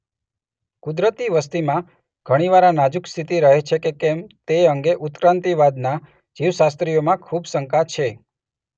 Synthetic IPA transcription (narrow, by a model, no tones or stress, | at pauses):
kud̪ɾət̪iʋəst̪imã | ɡ̥ʱəɽ̃iʋaɾãnad͡ʒukst̪ʰit̪iɾəɦet͡ʃʰekekɛmt̪eəŋɡeʔut̪kɾãnt̪iʋad̪na | d͡ʒiʋsast̪ɾijomãkʰubsəŋkat͡ʃʰe